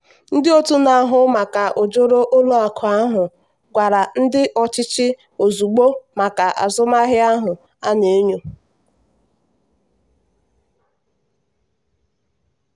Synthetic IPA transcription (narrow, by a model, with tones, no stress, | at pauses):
n̩˦dɪ˦o˦tu˦na˨a˨˦ɦʊ˦ma˨ka˨ʔo˨d͡ʒo˦ɾo˦ʔo˦lo˦a˨kʰʊ˨a˦ɦʊ˨ | ɡʷa˨ɾa˨n̩˦dɪ˦ʔɔ˨t͡ʃɪ˦t͡ʃɪ˦ | o˨zu˨ɡ͡bo˦ma˨ka˨ʔa̰˨zʊ˦ma˦ɦɪ˦a˦ɦʊ˨ | a˦ne˨˦ɲo˨